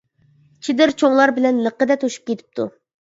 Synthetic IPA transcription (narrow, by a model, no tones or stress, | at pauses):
t͡ʃʰid̪ɪɾt͡ʃʰoŋlˠɑɾbɪlɛnləqəd̪ɛt̪ʰoʃu̥p̚kʲʰet̪ʰɪ̥p̚t̪ʰu